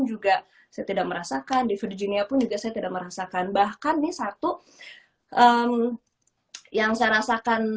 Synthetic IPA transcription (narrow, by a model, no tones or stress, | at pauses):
nd͡ʒuɡa | sajat̪idak̚məɾasakandifədd͡ʒiniapʊnd͡ʒuɡasajat̪idak̚məɾasakanbahkanːɪsat̪u | ʔəm | jaŋsajaɾasakan